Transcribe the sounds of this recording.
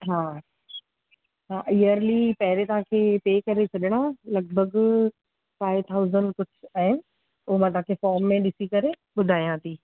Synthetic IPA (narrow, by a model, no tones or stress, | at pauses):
ɦãː | ɦãːʔijəɾlipɐɦɪɾet̪ɐɦãːkʰeːpeːkɐɾet͡ɕʰɐɗɪɽ̃alɐɡ̚bʱəɡ | faːɪʋt̪ʰaʊzənɖkʊd͡ʑʰʱʊaːɦɪnɪ̆ | ʊɦomãt̪ɐ̃ɦãkʰefɔːɾmːẽɗɪsikɐɾe | ɓʊd̪ʱaːijãt̪ʰiː